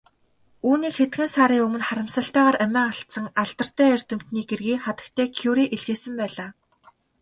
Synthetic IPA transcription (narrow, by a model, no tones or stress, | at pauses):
uːniːkxet̪ɡɘ̆nsaːɾiːŋɵmɵ̆nχaɾə̆msə̆ɬt̪æːʁaːɾæmʲæːaɬt̪sə̆ŋaɮt̪ə̆r̥t̪æːer̥ʲt̪ɘ̆m̥t̪niːɡerɣiːχat̪ə̆k̚t̪ʰeːkʰuwɾiːʔeɮɣeːsɘ̆mpæːɮaː